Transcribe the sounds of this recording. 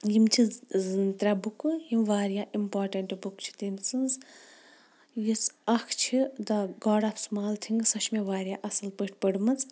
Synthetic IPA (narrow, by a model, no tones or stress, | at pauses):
jimt͡ʃʰiznt̪ɾʲabukujimʋaːɾijaʔimpaːɾʈeɳʈbukt͡ʃʰi̥t̪insɨnz | jisɐkʰt͡ʃʰid̪ɐɡɔːɽapʰsmaːlt̪ʰiŋɡsɐʃmeʋaːɾijaʔɐsɐlpəʈʰpəɽmɐt͡s